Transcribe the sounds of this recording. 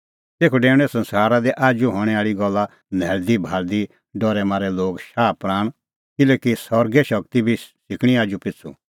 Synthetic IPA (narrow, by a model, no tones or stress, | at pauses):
t̪eːkʰuɖɛ̃ːɽ̃ɛsɐ̃nsaːɾad̪iʔaːd͡ʒuɦɔːɽ̃ɛaːɭiɡɔlːa | nɛːld̪ibʱaːɾd̪i | ɖɔɾɛmãːɾɛloːɡʃaːpɾaːɽ̃ | kɪleːkisɔɾɡɛʃɐk̚t̪ibʱisɪkɽ̃iaːd͡ʒupɪt͡sʰṵ